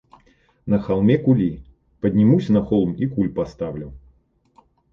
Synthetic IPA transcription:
nɐxalˠmʲɛkulʲi | pɐd̪ʲnʲimusʲɐnɐxɔlˠmikulʲpast̪awlʲɐw

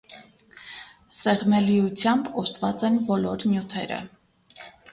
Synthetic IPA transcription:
sɛʁmɛlijut͡sʰjɑmbɔst̪vɑt͡sɛnbɔlɔɾnjut̪ʰɛ̰ɾə̰

